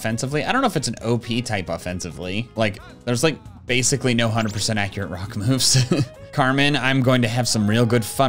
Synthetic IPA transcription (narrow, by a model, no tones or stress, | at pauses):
fɛ̃nsəvliaɪɾõʊ̃nːʊʊɨfɨtsn̩o̰ʊpʰitʰaɪpəfɛ̃nsɨvlilaɪk | ðə˞zlaɪk̚b̥eɪsɨklinoʊɦʌ̃ndɹəd̚pʰə˞sɛ̃ɾ̃tækjə˞ɨ̰ʔ̚ɹɑkmʉv̥z̥ | kʰɑɹmɨ̃nãɪ̃mɡoʊɪ̃ŋtɨːv̥sʌ̃mɹilˠɡʊd̥fʌ̃